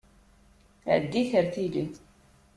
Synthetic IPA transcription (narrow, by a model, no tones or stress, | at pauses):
ʕəd̪ːiçəɾθili